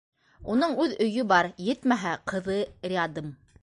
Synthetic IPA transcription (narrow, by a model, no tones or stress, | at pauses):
unɤɴʉðɵ̆jɵbɑɾjɘt̪mæɦæqɤ̆ðɤrʲɪɑd̪ɤm